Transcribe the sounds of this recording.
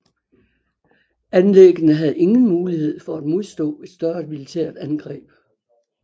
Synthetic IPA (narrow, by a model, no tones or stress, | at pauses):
ænleɡ̥ənəɦæð̞̩ˠe̝ŋn̩muːlihe̝ð̞̰ˠfɒæd̥mo̝ð̞ˠsd̥ɔ̰̽ːe̝d̥sd̥ɶɐd̥milit͡sʰḛɐ̰d̥ænɡ̥ʁɛ̰ːb̥